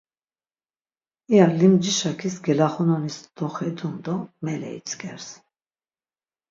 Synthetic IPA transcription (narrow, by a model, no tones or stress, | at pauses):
ialimd͡ʒiʃakʰisɡɛlaχɔnɔnisd̪̥ɔχɛd̪und̪ɔmɛlɛ̰ḭt͡sʰɡʰɛɾs